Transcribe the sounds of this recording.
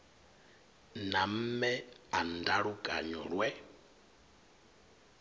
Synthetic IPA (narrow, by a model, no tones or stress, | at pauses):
nam̩mɛandaɺukʼa̰ɲɔɺwɛ